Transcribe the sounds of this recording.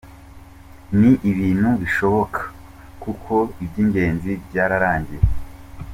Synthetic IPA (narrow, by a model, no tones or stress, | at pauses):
niʔiβiːn̥huβiʃo̞βo̞kʰḁ | kukʰo̞ibɟiːɲɟe̞ːnzibɟaːɾaɾaːɲɟiɾe